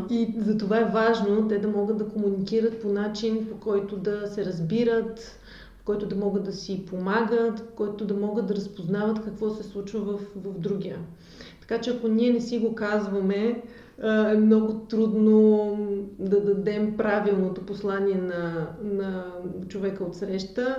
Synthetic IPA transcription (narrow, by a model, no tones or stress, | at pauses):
izɐt̪ovaɛvaʒnot̪ɛd̪ɐmɔɡəd̪d̪ɐkomunikiɾət̪̚ponat͡ʃinpokɔjt̪od̪ɐsɛɾɐzbiɾət̪ | pokɔjt̪ʊd̪ɐmɔɡəd̪ːɐsipomaɡət̪pkɔjt̪od̪ɐmɔɡəd̪̚d̪ɐɾɐspoznavət̪kɐkvɔsɛslˠut͡ʃvəvɐfvɐfd̪ɾuɡʲiə | t̪ɐ̥kat͡ʃɛɐkoniɛnɛsiɡokazvɐmɛ | ɛmnɔɡʊt̪ɾud̪no | d̪ɐd̪ɐd̪ɛmpɾavilˠnot̪oposlˠanʲiɛnɐnɐ | t͡ʃovɛkəot̪sɾɛʃt̪ə